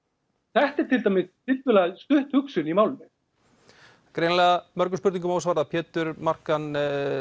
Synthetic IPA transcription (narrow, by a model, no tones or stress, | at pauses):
θɛht̪ɪɾt̪ʰɪlt̪amɪst̪ʰɪlt̪vɛlast̪ʏht̪hʏksʏnimawlnɪ | kɾeːjnlɛɣamœɾkʏspʏɾt̪iŋkʏmawsvaɾðapʰɛːt̪ʏɾmar̥kan